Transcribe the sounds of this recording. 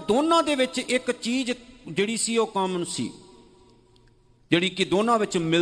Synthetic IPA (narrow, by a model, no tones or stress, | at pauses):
d̪oːnãːd̪eːʋɪt͡ʃɪkt͡ʃiːd͡ʒd͡ʒeːɽiːsiːoːkəmsḭː | d͡ʒeːɽiːkɪd̪oːnãːʋɪt͡ʃmɪl